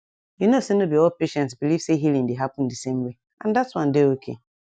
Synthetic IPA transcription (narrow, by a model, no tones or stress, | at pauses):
junosĩnobiɔlpeʃɛ̃ntsbiliv̥seɦilĩŋdeɦapn̩dsẽmwe | ʔãndatswʌ̃ndeokʰḛ